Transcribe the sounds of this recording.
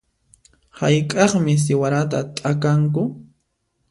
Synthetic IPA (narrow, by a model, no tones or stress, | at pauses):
hajkʼɑχmɪs̬ɪwaɾat̪at̪ʼakaŋkʊ